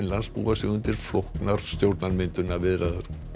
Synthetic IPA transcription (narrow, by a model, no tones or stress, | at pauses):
nlanspṵːvasiɣʏnt̪ɪɾ̥flohknaɾ̥st̪jowɾt̪naɾmɪnt̪ʏnavɪðɾaðʏɾ̥